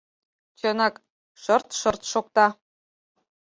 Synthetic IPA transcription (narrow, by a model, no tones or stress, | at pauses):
t͡ɕɤ̆nɑk | ʃɤ̆rt̪ʃɤ̆rt̪ʃok̚t̪ɑ